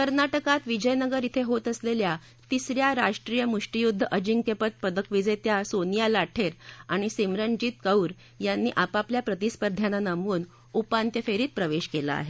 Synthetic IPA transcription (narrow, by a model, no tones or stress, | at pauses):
kəɾnaʈəkat̪ʋid͡ʑəjnəɡəɾit̪ʰeɦot̪əslelja | t̪isɾjaɾaʂʈɾijəmuʂʈijud̪ʱːəʔəd͡ʑiŋkepət̪̚pəd̪əkʋid͡zet̪jasonijalaʈʰeɾaɽ̃isemɾənd͡ʑiːt̪kəwɾ | janːiːʔapapljapɾət̪ispəɾd̪ʱjananəmuːn | upant̪jəfeɾiːt̪̚pɾəʋeɕkela̰a̰ɦe